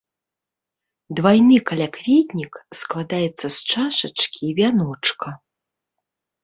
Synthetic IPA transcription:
d̪vajnɨkalʲakvʲid̪ʲnʲiksklˠad̪ajɛt̪sːɐst͡ʂaʂɐt͡ʂkʲiːvʲanɔt͡ʂkʰɐ

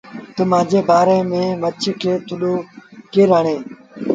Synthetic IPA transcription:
t̪əmãːd͡ʑeːbaːɾeːmẽːmət͡ʃʰkʰeːt̪ʰʊɗoːkeːɾaːɳeː

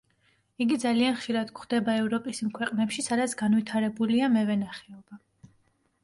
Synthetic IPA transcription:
iɡid̪zalianχʃiɾad̪kχd̪̥ɛbaɛvɾɔpʼisimkʰwɛqʼnɛpʃisad̪at̪sʰɡanvit̪ʰaɾɛbuliamɛvɛnaχɛɔba

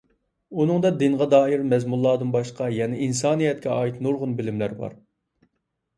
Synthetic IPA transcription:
unɨŋd̪ɑd̪ɪnʁɑd̪ɑːiɾmɛzmulˠːɑːd̪ɨnbɑʃləqʰɑjɛnɪinsɑːnijɛt̪̚kʲʰɛɑːjit̪nuɾʁʊnbɪlɪmlæɾbɑ̰ɾ

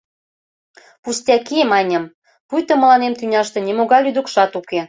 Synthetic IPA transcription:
pust̪ʲɑkimɑnʲəm | pujt̪ŏmə̆lɑnemt̪ynʲɑʃt̪ĕnʲemoɣɑjlyd̪ŭkʃɑt̪uke

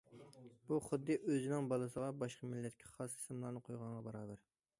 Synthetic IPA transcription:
b̥uχʊd̪ːɨʔøzɪnɪŋbɑlˠɨsəʁɑbɑʃqɑmɪlːɛt̪̚kʲʰɛ̥χɑsi̥smlˠɑɾnɨqʰojʁɑɴʁɑbɑɾɑːbæɾ

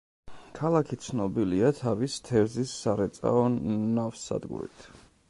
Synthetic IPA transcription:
kʰalˠakʰit̪sʰnɔbiliat̪ʰavist̪ʰɛɾzisːaɾɛt̪sʼa̰ɔnafsːa̰d̪ɡṵɾḭt̪ʰ

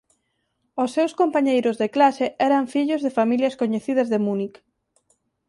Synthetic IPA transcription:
osːewskompaɲejɾʊzðeklaseɛɾɐɱfiʎʊzðefamiljɐskoɲeθiðɐzðemunik

